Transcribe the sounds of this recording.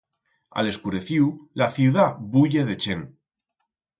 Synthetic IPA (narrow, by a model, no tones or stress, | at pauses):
a̰le̞skuɾe̞θiwlaθjuðaβuʝeð̞et͡ʃe̞ŋ